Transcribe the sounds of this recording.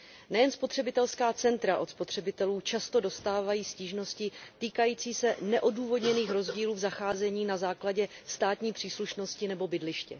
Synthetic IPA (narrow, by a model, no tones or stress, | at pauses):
nɛjɛnspo̞t̪r̥ɛbɪt̪ɛlskaːt͡sɛnt̪ɾaʔo̞t̪spo̞t̪r̝̥ɛbɪt̪ɛluːt͡ʃast̪o̞do̞st̪aːvajiːsciːʒno̞scɪt̪iːkajiːt͡siːsɛnɛʔo̞duːvo̞dɲɛniːxɾo̞zɟiːluːvzaxaːzɛɲiːnazaːklaɟɛst̪aːt̪ɲiːpr̥iːsluʃno̞scɪnɛbo̞bɪdlɪʃcɛ